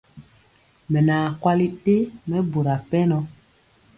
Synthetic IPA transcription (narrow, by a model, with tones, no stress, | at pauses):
mɛ˨naː˨kwa˦li˦te˦mɛ˦bo˨ɾa˨pɛ˦nɔ˦